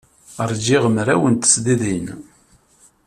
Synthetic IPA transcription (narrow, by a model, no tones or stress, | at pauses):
əɾˤd͡ʒiʁəmɾæwənt̪ə̥sd̪iðin